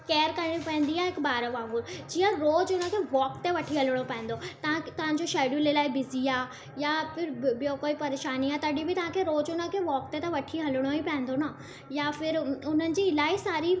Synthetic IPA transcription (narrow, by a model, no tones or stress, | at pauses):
keːəɾkɐɾɪɽ̃ipɐ̃ɦɪ̃n̆d̪iaːɦɪkbaːɾəʋãːɦuɾd͡ʑiːə̃ɾoːd͡ʑʊnə̆kʰeːʋɔːkt̪eʋɐʈʰiɦɐləɽ̃opɐɦɪ̃n̆d̪ot̪ɐʋãt̪ɐʋ̤ãɲ̆d͡ʑoʃaːɖjulelaːibɪziaː | japɪɾbijokoːipɐɾeːʃaːniaːt̪ɐɗibɪt̪ɐʋãkʰeːɾoːd͡ʑʊnə̆kʰeːʋɔːk̚t̪et̪ɐʋɐʈʰiɦɐləɽ̃oipɐ̃ɦɪ̃nd̪ona | jafɪɾʊn̤ənɪ̆d͡ʑiːɪlaːisaːɾi